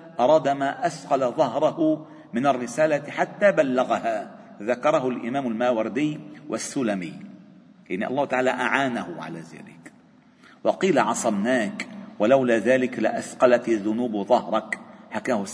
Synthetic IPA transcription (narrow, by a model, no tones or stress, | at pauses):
ʔɑɾˤɑːd̪amaːʔasqɑlaðˤɑhɾˤɑhʊ | mɪnarːɪsaːlat̪ħat̪ːaːbalːaɣahaː | ðakɑɾˤɑhʊlʔɪ̰maːmalmaːwɑɾˤd̪ɪjwʔasːʊlamɪj | lʔɪnːiʔɑlːˤɑːht̪aʕaːlaʔaʕaːnahʊʕa̰laːða̰ːlɪk | wɑqiːlaʕɑsˤɑbnaːkwalawlaːðaːlɪklɪʔasqɑlat̪ðʊnuːbðˤɑhɾˤɑkħakaːhʊ